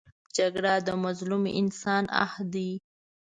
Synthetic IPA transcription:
d͡ʒaɡɽad̪əmʊzlumḛʔɪnsɑna̰hd̪i

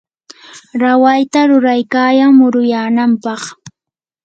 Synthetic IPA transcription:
ɾawajt̪aɾʊɾajkaːjaŋmʊɾʊjaːnampɑχ

